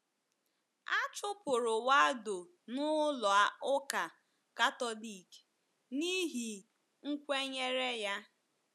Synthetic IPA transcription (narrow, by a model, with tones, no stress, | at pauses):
a˦t͡ʃʊ˦pʊ˨ɾʊ˨wa˦dʊ˨ | nʊ˦lɔ˨a˨ʊ˦ka˨ | ka˦tɔ˦li˨k | ni˦ɦi˨ | ŋ̩˦kʷe˦ɲe˦ɾe˦ja˦